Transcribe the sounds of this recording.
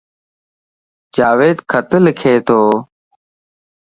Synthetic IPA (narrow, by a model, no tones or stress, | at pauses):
d͡ʒaːʋeːd̪kʰət̪əlɪkʰeːt̪ʰoː